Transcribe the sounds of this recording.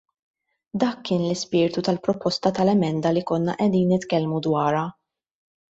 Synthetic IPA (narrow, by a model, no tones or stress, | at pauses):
d̪ɐːkːɪːnlɪspɪːɾt̪ut̪ɐlpɾɔpɔst̪ɐt̪ɐlɛmɛnd̪ɐlikɔnːɐʔɛd̪iːnːɪt̪kɛlmud̪wɐːɾɐ